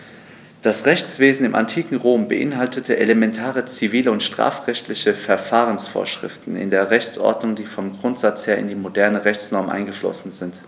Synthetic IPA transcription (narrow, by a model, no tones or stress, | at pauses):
d̥asʁɛçt͡sv̥eːzn̩ɪmʔa̰ntʰiːkŋ̩ʁoːmbə̰ʔɪ̰nɦaltətʰəʔelemɛntʰaːʁət͡siviːləʊntʃtʁ̥a̰ːfʁ̥ɛçtlɪçəfɛɐfaːʁ̞ənsfo̰ːɐʃʁ̥ɪ̰ftn̩ɪ̰ndeːɐʁɛçt͡sʔɔ̰ɐdnʊŋdiːfɔmɡʁʊntz̥at͡sheːɐɪ̰ndiːmodɛɐnəʁɛçt͡snɔɐmʔa̰ɪnɡəflɔ̰sn̩zɪnt